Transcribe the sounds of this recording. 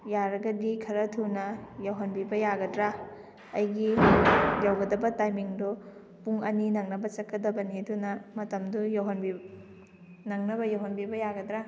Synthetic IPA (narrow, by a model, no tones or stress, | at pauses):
jaɾɐɡɐdikʰɐɾɐtʰunɐjɐwɦɐnbibɐjaɡɐdɾa | ɐjɡi | jawɡɐdɐbɐtajmiŋdɔ | puŋɐninɐŋnɐbɐt͡ʃɐkʰːɐdɐbɐnidunɐmɐtɐmdujawɦɐnbi | nɐŋnɐbɐjawɦɐnbibɐjaɡɐdɾa